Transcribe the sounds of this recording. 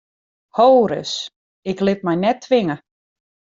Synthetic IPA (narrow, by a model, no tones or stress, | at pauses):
howɾə̰s | ɪklɪt̚mɛjnɛtʰːʋɪŋə